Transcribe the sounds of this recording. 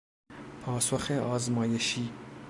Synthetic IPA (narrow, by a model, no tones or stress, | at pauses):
pʰɑːsoxeʔɑːzmɑːjeʃiː